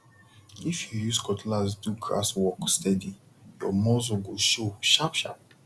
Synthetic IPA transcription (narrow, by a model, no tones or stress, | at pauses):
ifjujuskɔtlasduɡɹa̰swɔkstɛdi | jɔmɔzoɡoʃoʃapʃa̰p̚